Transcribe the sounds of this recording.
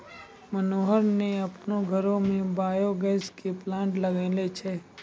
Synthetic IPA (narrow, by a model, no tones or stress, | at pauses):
mɐnoːɦəɾneɐpnoɡʱɐɾõmẽbaːjoɡɛːskeplãːɳʈlɐɡeːlet͡ʃʰɛː